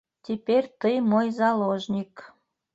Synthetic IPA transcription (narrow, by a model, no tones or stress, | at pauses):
t̪ʲiperʲt̪əjmojzɑloʒnʲik